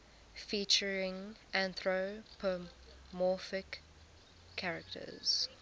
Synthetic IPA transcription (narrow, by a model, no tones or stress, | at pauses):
fiˑt͡ʃəɹɪ̃ŋʔæ̃nθɹopʰə | mɔˑfɪkʰː | aɹəktʰə̰z̥